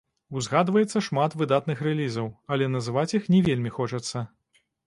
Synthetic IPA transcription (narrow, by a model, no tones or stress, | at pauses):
wzɣad̪vɐjɛt̪sːɐʂmat̪vɨd̪at̪nɨxrɛlʲizɐwɐlʲɛnɐzɨvat͡sʲixnʲɛvʲelʲmʲixɔt͡ʂɐt̪sːɐ